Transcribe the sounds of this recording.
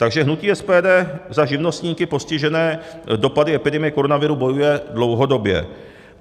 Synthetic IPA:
t̪aɡʒɛɦnuciːɛspɛːdɛːzaʒɪvno̞st̪ɲiːkɪpo̞scɪʒɛnɛː | do̞padɪɛpɪdɛmɪjɛko̞ɾonavɪɾubo̞jujɛdlo̞wɦo̞do̞bjɛ̰

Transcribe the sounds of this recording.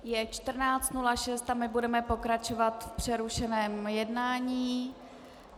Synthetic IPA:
jɛt͡ʃt̪r̩naːt͡st̪nulaʃɛst̪amɪbudɛmɛpo̞kɾat͡ʃovat̪fpr̝̥ɛɾuʃɛnɛːmjɛdnaːɲiː

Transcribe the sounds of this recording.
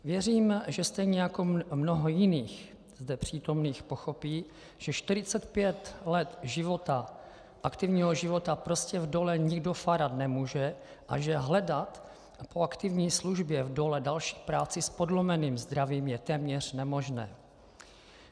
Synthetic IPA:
vjɛriːmʒɛst̪ɛjɲɛjako̞mnoɦojɪniːx | zdɛpr̝̥iːt̪o̞mniːxpo̞xo̞piː | ʒ̥ɛʃt̪ɪɾɪt͡sɛt̪pjɛt̪lɛt̪ʒɪvo̞t̪a | ʔakt̪ɪvɲiːɦoʒɪvo̞t̪apɾo̞scɛvdo̞lɛɲɪɡdo̞faɾat̪nɛmuːʒɛ | ʔa̰ʒɛɦlɛdat̪ | poakt̪ɪvɲiːsluʒbjɛvdo̞lɛdalʃi̥ːpɾaːt͡sɪspo̞dlomɛniːmzd̪ɾaviːmjɛt̪ɛːmɲɛr̝̥nɛmo̞ʒnɛ̰ː

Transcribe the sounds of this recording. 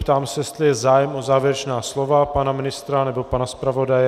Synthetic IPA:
pt̪aːmsɛjɛst̪lɪjɛzaːjɛmʔozaːvjɛɾɛt͡ʃnaːslovapanamɪnɪst̪ɾanɛbopanaspɾavo̞dajɛ

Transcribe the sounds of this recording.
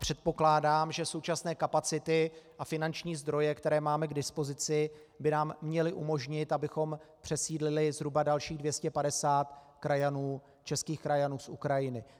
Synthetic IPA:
pr̝̥ɛt̪̚po̞klaːdaːmʒɛso̞wt͡ʃasnɛːkapat͡sɪt̪ɪʔafɪnant͡ʃɲiːzd̪ɾo̞jɛkt̪ɛɾɛːmaːmɛɡdɪspo̞zɪt͡sɪ | bɪnaːmːɲɛlɪʔumo̞ʒɲɪt̪abɪxo̞mpr̥ɛsiːdlɪlɪzɦɾubadalʃiːɣdvjɛscɛpadɛsaːt̪ | kɾajanuː | t͡ʃɛskiːxkɾajanuːsʔṵkɾajɪnɪ

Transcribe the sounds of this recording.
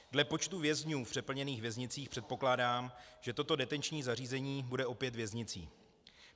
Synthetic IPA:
dlɛpo̞t͡ʃt̪uvjɛzɲuːfpr̥ɛpl̩ɲɛniːxvjɛzɲɪt͡siːxpr̥ɛt̪̚po̞klaːdaːmʒ̥ɛt̪o̞t̪o̞dɛt̪ɛnt͡ʃɲiːzariːzɛɲiːbudɛʔo̞pjɛt̪vjɛzɲɪt͡sḭː

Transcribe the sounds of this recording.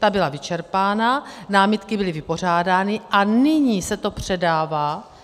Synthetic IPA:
t̪abɪlavɪt͡ʃɛɾpaːnanaːmɪt̪kɪbɪlɪvɪpo̞r̝aːdaːnɪʔanɪɲiːsɛt̪o̞pr̝̥ɛdaːvaː

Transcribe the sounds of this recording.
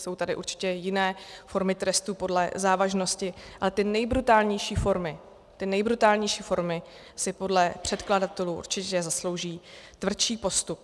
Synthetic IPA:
so̞wt̪adɪʔṵɾt͡ʃɪ̥cɛjɪnɛːfo̞ɾmɪt̪ɾɛst̪upo̞dlɛ̰zaːvaʒno̞scɪʔalɛt̪ɪnɛjbɾut̪aːlɲɛjʃiːfo̞ɾmɪ | t̪ɪnɛjbɾut̪aːlɲɛjʃiːfo̞ɾmɪ | sɪpo̞dlɛpr̝̥ɛt̪kladat̪ɛluːṵɾt͡ʃɪcɛzaslowʒiːt̪vr̩t͡ʃiːpo̞st̪up̚

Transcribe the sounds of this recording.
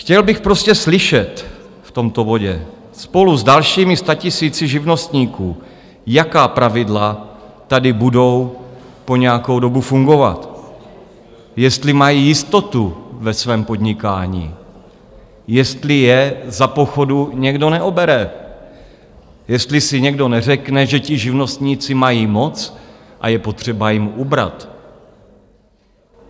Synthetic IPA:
xcɛlbɪxpɾo̞scɛslɪʃɛt̪ | ft̪o̞mt̪o̞vo̞ɟɛ̰ | spo̞luzdalʃiːmɪst̪acɪsiːt͡sɪʒɪvno̞st̪ɲiːkuː | jakaːpɾavɪdla | t̪adɪbudo̞w | po̞ɲɛjako̞wdo̞bufuŋɡo̞va̰t̪ | jɛst̪lɪmajiːjɪst̪o̞t̪uvɛsvɛːmpo̞d̪ɲɪkaːɲḭː | jɛst̪lɪjɛzapo̞xo̞duɲɛɡdo̞nɛʔobɛɾɛ | jɛst̪lɪsɪɲɛɡdo̞nɛrɛknɛʒɛcɪʒɪvno̞st̪ɲiːt͡sɪmajiːmo̞t͡sʔa̰jɛpo̞t̪r̝̥ɛbajɪmubɾa̰t̪

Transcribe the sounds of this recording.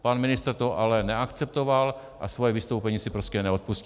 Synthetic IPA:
panmɪnɪst̪rt̪oʔalɛnɛakt͡sɛpt̪oval | ʔa̰svojɛvɪst̪owpɛɲiːsɪpɾoscɛnɛot̪̚pusc

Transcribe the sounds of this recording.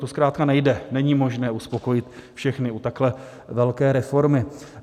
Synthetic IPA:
t̪oskɾaːt̪̚kanɛjdɛnɛɲiːmo̞ʒnɛːuspo̞ko̞jɪt̪fʃɛxnɪut̪aklɛ | vɛlkɛːɾɛfo̞ɾmɪ

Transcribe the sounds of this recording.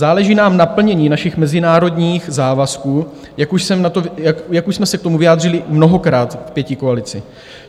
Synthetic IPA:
zaːlɛʒiːnaːmnapl̩ɲɛɲiːnaʃɪxmɛzɪnaːɾo̞dɲiːxzaːvaskuː | jakuʃsɛmnat̪ojajakuʃsmɛsɛkt̪o̞muvɪjaːd̪r̝ɪlɪmno̞ɦo̞kɾaːt̪fpjɛcɪkoalɪt͡sɪ

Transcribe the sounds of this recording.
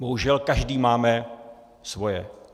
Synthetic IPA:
boɦuʒɛlkaʒdiːmaːmɛ | svo̞jɛ̰

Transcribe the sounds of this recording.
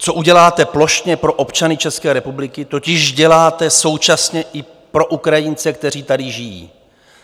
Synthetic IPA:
t͡so̞ʔuɟɛlaːt̪ɛplo̞ʃɲɛpɾo̞ʔo̞pt͡ʃanɪt͡ʃɛskɛːɾɛpublɪkɪt̪o̞cɪʒɟɛlaːt̪ɛso̞wt͡ʃasɲɛʔɪ | pɾo̞ʔukɾajɪnt͡sɛk̚t̪ɛr̝iːt̪adɪʒɪjḭː

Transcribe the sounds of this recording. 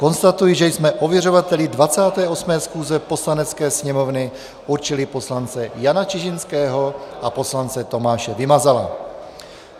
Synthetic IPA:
ko̞nst̪at̪ujiʒɛjsmɛʔovjɛrovat̪ɛlɪdvat͡saːt̪ɛːʔo̞smɛːsxuːzɛpo̞slanɛt͡skɛːsɲɛmo̞vnɪ | ʔuɾt͡ʃɪlɪpo̞slant͡sɛjanat͡ʃɪʒɪnskɛːɦo̞ʔapo̞slant͡sɛt̪o̞maːʃɛvɪmazala̰

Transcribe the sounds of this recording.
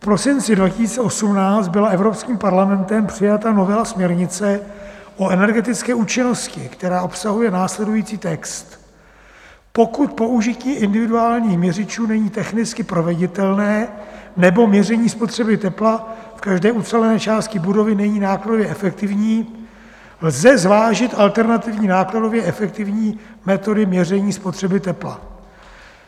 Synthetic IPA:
fpɾo̞sɪnt͡sɪdvacɪsiːt͡sɛʔo̞sumnaːt͡st̪̚bɪlaɛvɾopskiːmpaɾlamɛnt̪ɛmpr̝̥ɪjat̪ano̞vɛlasmɲɛɾɲɪt͡sɛʔo̞ɛnɛɾɡɛt̪ɪt͡skɛːʔuːt͡ʃɪno̞scɪkt̪ɛɾaːʔo̞psaɦujɛnaːslɛdujiːt͡siːt̪ɛkst̪ | po̞kut̪̚po̞ʔuʒɪciːʔɪndɪvɪduaːlɲiːxmɲɛrɪt͡ʃuːnɛɲiːt̪ɛxnɪt͡skɪpɾo̞vɛɟɪt̪ɛlnɛːnɛbo̞mɲɛrɛɲiːspo̞t̪r̥ɛbɪt̪ɛplafkaʒdɛːʔut͡sɛlɛnɛːt͡ʃaːst̪cɪbudo̞vɪnɛɲiːnaːkladovjɛʔɛfɛk̚t̪ɪvɲiː | lzɛzvaːʒɪt̪ʔalt̪ɛɾnat̪ɪvɲiːnaːklado̞vjɛɛfɛk̚t̪ɪvɲiː | mɛt̪o̞dɪmɲɛrɛɲiːspot̪r̥ɛbɪt̪ɛpla̰

